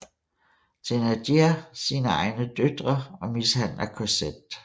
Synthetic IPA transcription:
t͡sʰenæd̥iɐsiːnəɑ̈ɪnəd̥ød̥ʁɐɒ̽mishæn̰lɐkʰosed̥

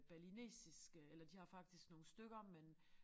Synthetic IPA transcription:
b̥æɐline̝̰ːsisɡ̥əelɐd̥ihɑ̈fɑ̈ɡ̥̚d̥isɡ̥no̝ːn̩sd̥øɡ̥ɐmen

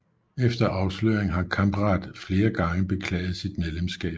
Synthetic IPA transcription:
efd̥ɐʔɑ̈ʊsløːɐeŋ̩ɦɑ̈kʰɑ̈mb̥ʁɑ̈ːd̥fle̝ːɐɡ̥ɑ̈ŋəb̥e̝kʰlɛ̰ːɪð̞̩ˠsid̥meðˠlemsɡ̥ɛ̰ːb̥

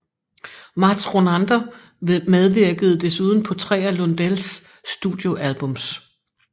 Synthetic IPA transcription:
mɑ̈d̥sʁo̝nænd̥ɐ | með̞ˠʋiɐɡ̥əð̞̩ˠd̥e̝suːð̞ˠn̩pʰɒ̽t͡sʰʁɛ̰ːælɔnd̥els | d̥uðˠjo̝ʔælb̥ɔ̽ms

